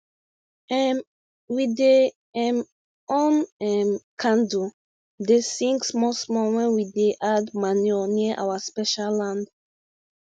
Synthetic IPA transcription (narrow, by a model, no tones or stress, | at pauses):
ɛm | wide | ɛm | oɔ̃nɛmkʰãndu | desĩŋksmɔsmɔwɛ̃nwideʔadmaniɔniəʔa̰waspɛʃalːãnd